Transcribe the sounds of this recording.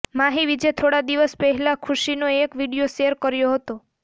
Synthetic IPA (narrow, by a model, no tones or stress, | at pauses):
maɦiʋid͡ʒet̪ʰoɽad̪iʋəspəɦɛlakʰuʃinoekʋiɽijoʃeəɾkəɾjoɦət̪o